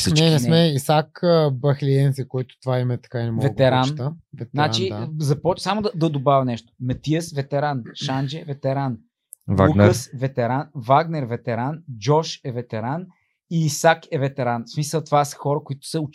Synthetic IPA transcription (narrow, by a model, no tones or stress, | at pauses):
sint͡ʃɛnɛmɛisakəbɐxliɛnsɛkɔjt̪ʊ̥t̪ovaimɛt̪ɐ̥kainɛmɔvɛt̪ɛɾant̪əvɛt̪zɾaɾat͡ʃizɐpɔt͡ʃsamʊd̪ɐd̪ɐd̪obavʲɐnɛʃt̪ʊ̥mɛt̪iəsvɛt̪ɛɾanʃand͡ʒɛvɛt̪ɛɾan | va̰unkəsvɛt̪ɛɾanvaɡnɛɾvɛt̪ɛɾand͡ʒɔʃɛvɛt̪ɛɾan | iːsakɛvɛt̪ɛɾansmisəlˠt̪vasə̥xɔɾəkʊit̪ʊ̥sɐʊ